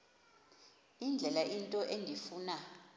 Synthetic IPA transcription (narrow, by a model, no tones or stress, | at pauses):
ind͡ɮʱɛlaʔintʼɔʔeŋdʱifuːna